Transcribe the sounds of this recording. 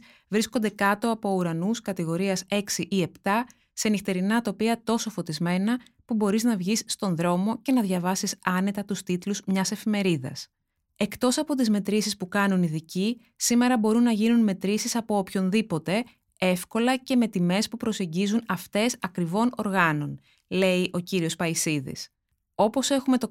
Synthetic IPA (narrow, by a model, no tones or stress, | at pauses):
vɾisko̞nd̪e̞kɐt̪o̞ɐpo̞uɾɐnuskɐt̪iɣo̞ɾiɐse̞ksiʔie̞pt̪ɐ | senixt̪e̞ɾinɐt̪o̞piɐt̪o̞so̞fo̞t̪izme̞nɐ | pubo̞ɾiznɐvʝisːt̪o̞nðɾo̞mo̞ce̞nɐðʝɐvɐsisɐne̞t̪ɐt̪ust̪it̪luzmɲɐse̞fime̞ɾiðɐ̰s | e̞kt̪o̞sɐpo̞t̪izme̞t̪ɾisispukɐnuniðici | sime̞ɾɐbo̞ɾunːɐʝinunme̞t̪ɾisisɐpo̞opço̞nðipo̞t̪e̞ | e̞fko̞lɐce̞me̞t̪ime̞spupɾo̞se̞ɲɟizunɐft̪e̞sɐkɾivo̞no̞ɾɣɐno̞n | le̞iʔo̞ciɾio̞spɐisiðḭs | o̞po̞se̞xume̞t̪o̞